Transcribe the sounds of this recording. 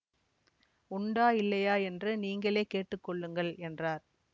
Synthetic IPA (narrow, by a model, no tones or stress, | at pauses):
ʊɳɖaːɪlːɐjaːɛndrɯniːŋɡɐɭeːkeːʈːɯkːɔɭːɯŋɡɐɭɛndraːɾ